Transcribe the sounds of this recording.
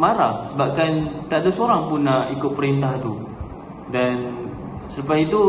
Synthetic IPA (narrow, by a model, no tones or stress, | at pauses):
maɾahsəbap̚kant̪aʔdasoɾaŋpunːaʔikʊt̪̚pəɾint̪aht̪u | dansupait̪u